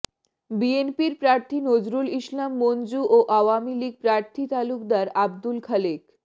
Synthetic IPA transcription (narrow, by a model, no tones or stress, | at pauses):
bienpiɾpɾaɾt̪ʰinod͡ʑɾuliʃlamːond͡ʑuʔoʔawamiliɡ̚pɾaɾt̪ʰit̪aluk̚d̪aɾabd̪ulkʰalik